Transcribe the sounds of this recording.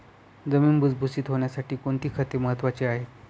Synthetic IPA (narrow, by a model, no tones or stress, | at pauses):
d͡zəmiːnbud͡zbʱusiːt̪ɦoɳjasaʈiːkoɳt̪iːkʰət̪eməɦət̪ːʋat͡seaɦe